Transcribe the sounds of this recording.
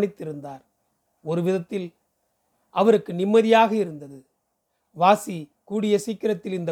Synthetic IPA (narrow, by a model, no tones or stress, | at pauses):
ɳɪt̪ːɪɾɯnd̪aːɾ | ɔɾɯʋɪðɐt̪ːɪl | ɐʋɐɾɯkːɯnɪmːɐðɪjaːɣɐɪɾɯnd̪ɐðɯ | ʋaːsikuːɽɪjɐsiːkːɪɾɐt̪ːɪlɪnd̪ɐ